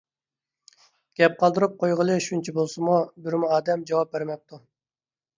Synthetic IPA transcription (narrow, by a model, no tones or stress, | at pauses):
ɡ̥ʲɛp̚qʰɑlˠd̪ɨɾup̚qʰojʁəlˠɨʃunt͡ʃʰɛbolˠsɨmubɪɾmuɑːd̪ɛmd͡ʒɑwɑp̚beɾmɛp̚t̪ʰu